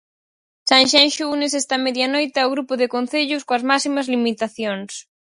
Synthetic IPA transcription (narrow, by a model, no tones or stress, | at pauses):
sãŋʃanʃunes̬ɛst̪ɐmeðjanojt̪ɪawɣɾupʊðɪkon̟θeʎʊskoɐzmasimɐzlimit̪aθjoŋs